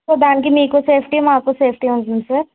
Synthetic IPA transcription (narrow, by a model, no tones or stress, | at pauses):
obaːnkimiːkoseːpʰʈiɦɛmaːp̚koseːpʰʈiɦʊ̃nnse